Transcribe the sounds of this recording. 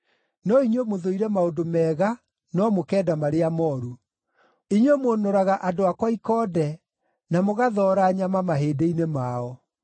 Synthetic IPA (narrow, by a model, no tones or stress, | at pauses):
nɔiɲwemoðoiɾɛmaodomɛːɣa | nɔmokɛːdamaɾeamɔɾu | iɲwemonoɾaɣaʔadoakwaikɔːdɛ | namoɣaðɔːɾaːɲamamaɦeːdeinemaɔ